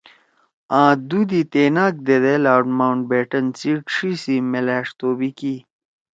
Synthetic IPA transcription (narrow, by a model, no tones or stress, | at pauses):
ãːd̪ud̪it̪eːnaːk̚d̪ed̪elaːʈmawɳʈ̚beːʈɐnt͡siʈʂisimelæːʂt̪oːbiki